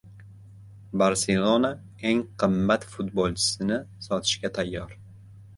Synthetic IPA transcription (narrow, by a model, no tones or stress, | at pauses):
baɾselˠona | eŋqʰɨmːat̪fʊt̪bolˠt͡ʃʰɪ̥sɪnɪsɒt̪ʰɪ̥ʃkʲat̪ʰajːɒɾ